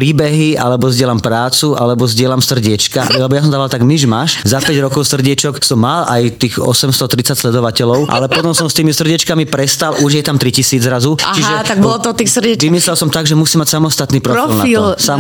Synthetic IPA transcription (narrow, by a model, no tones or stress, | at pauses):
ɾiːbɛɦialɛbɔzdɪɛlampɾaːt͡suʔalɛbɔzɟɪɛlamsr̩ɟɪɛt͡ʃkalɛbɔjas̬ɔmd̪aːʋalt̪aɡmiʒmaʃzapɛɟɾɔkɔʊsr̩ɟɛt͡ʃɔksɔmːalajt̪iːxɔ̰sɛmst̪ɔt̪ɾit͡sacʲslɛd̪ɔʋacɛlɔʊʔa̰lɛpɔt̪ɔmsɔmst̪iːmisr̩ɟɛt͡ʃkamipɾɛst̪alʔuʒjɛt̪amt̪ɾicisiːd͡zɾazut͡ʃiɦʒɛt̪aɡ̚bɔlɔt̪ɔt̪iːsr̩ɛt͡ʃʋimislɛlsɔmt̪aɡʒɛmusiːmːacʲsamɔst̪at̪niːpɾɔɾfilfnilsa